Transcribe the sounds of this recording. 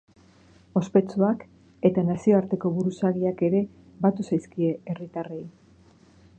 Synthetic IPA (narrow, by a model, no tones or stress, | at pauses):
o̞spe̞t͡suak | e̞t̪anasio̞aɾt̪e̞ko̞βuɾusaɣiake̞ɾe̞ | bat̪usajskie̞erit̪are̞j